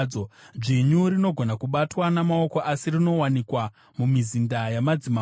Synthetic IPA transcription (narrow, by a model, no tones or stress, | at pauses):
oʐiɲuɾino̞ɡʱo̞nakuɓatwanamao̞ko̞ʔasirino̞wanikwa | mumizindajamad͡zima